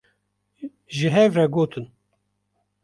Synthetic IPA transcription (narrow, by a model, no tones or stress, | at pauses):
ʒɨɦɛvɾɛɡoːt̪ʰɨn